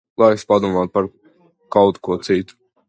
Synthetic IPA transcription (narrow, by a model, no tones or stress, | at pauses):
lˠajspad̪uɔmaːt̪̚paɾ | kawt̪kuɔt̪sit̪u̥